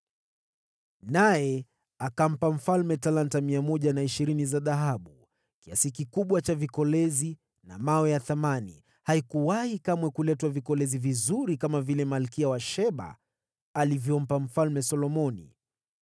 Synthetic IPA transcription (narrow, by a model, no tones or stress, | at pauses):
najɛ | akam̩pam̩falmɛtalantamiamɔʄanaiʃiɾinizaðaɦaɓu | kiasikikuɓwat͡ʃavikɔlɛzi | na̰mawɛjaθamanḭ | haikuwahikamwɛkulɛtwavikɔlɛzivizuɾikamavilɛmalkiawaʃɛɓa̰ː | livjɔm̩pam̩falmɛsɔlɔmɔnḭ